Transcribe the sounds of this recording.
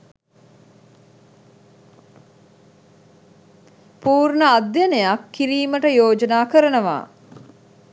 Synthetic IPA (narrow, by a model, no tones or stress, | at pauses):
puːrnəad̪janəjakːiɾiːməʈəjoːd͡ʒənaːkəɾənəʋa̰ː